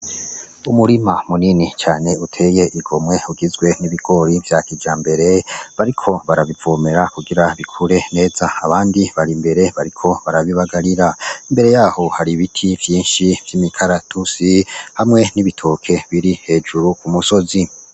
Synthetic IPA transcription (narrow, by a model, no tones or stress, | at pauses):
umuɾimamuninit͡ʃaːne̞utʰe̞je̞ʔiɡo̞mŋe̞uɡizɡwe̞niβiɡ̥o̞ɾivjakid͡ʒaːmbe̞ɾe̞βaɾikʰo̞βaɾaβivome̞ɾakuɡiɾaβikʰuɾe̞ne̞ːzaaβaːndiβaɾimbe̞ɾe̞βaɾikʰo̞βaɾaβiβaɡaɾiɾaimbe̞ɾe̞jaːho̞haɾiβitʰivjiːnʃivjimikʰaɾatʰusihamŋe̞niβitʰo̞ːkʰe̞βiɾihe̞ːd͡ʒuɾukumuso̞zi